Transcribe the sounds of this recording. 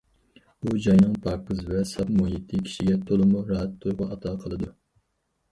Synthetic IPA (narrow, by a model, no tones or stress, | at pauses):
ud͡ʒɑjnɨŋpʰɑːkɨzvɛsɑpmuɦit̪ʰɨkʲʰi̥ʃiɡʲɛt̪ʰolˠɨmuɾɑɦɛt̪ʰːojʁʊʔɑt̪ʰɑqʰəlˠɨd̪u